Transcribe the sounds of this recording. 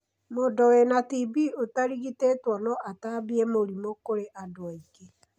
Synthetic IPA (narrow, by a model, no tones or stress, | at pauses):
modɔwenatibiotaɾiɣitetwɔnɔʔatabiemoɾimokoɾeʔadoaiɣe